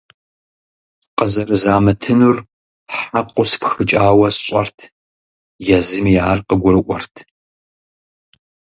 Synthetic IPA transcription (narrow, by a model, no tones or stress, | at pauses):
qəzɐrɨzaːmɐtʰɨnur | ħaqʷʊspxɨt͡ʃʼaːwɐsɕʼɐrtʰ | jɛzɨmjaːrqəɡʷʊɾɨʔʷɔrtʰ